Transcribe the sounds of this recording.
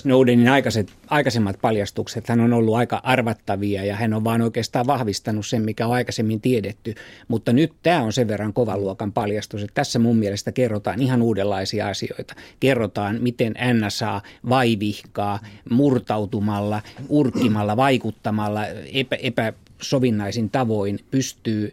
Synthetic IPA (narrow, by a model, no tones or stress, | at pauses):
noudeninɑikɑset̪ɑikɑsemːɑt̪̚pɑljɑst̪ukset̪hænonolːuɑikɑʔɑrʋɑt̪ːɑʋiɑjɑhænoʋʋɑːnoikeːst̪ɑːʋʋɑhʋist̪ɑnussemmikæoɑikɑsemːint̪iedet̪ːymut̪ːɑnyt̪t̪æːonseʋʋerːɑŋkoʋɑluokɑmpɑljɑst̪uset̪t̪æsːæmummielest̪ækerːot̪ɑ̰ːnihɑnuːdelːɑisiɑ̰ɑsio̰it̪ɑ̥kerːot̪ɑːnmit̪enʔænːæsɑːʋɑiʋihkɑːmurt̪ɑut̪umɑlːɑʔurkːimɑlːɑʋɑikut̪ːɑmɑlːɑepæepæ | soʋinːɑisint̪ɑʋoinpyst̪yː